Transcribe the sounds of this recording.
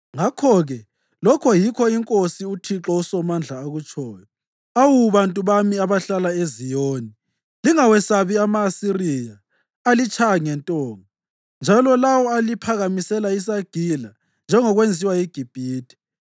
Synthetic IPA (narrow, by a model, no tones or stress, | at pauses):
ŋakʰɔɣɛ | lɔkʰɔjikʰɔiŋkʼosiutʰiǁɔusɔmand͡ɮʱaːɣut͡ʃʼɔːjɔ | awuβantʼuβamiaβaɬalaezijoni | liŋawɛsaβiamaːsirijaː | lit͡ʃʰʼaŋɛntʼɔːŋɔ | nd͡ʒʱalɔlawɔalipʰaɣamisɛlais̬aɡ̥ʱila | nd͡ʒʱɛŋɔɣwend͡zʱiwajiɡ̥ʱib̥ʱiːtʰʼi̥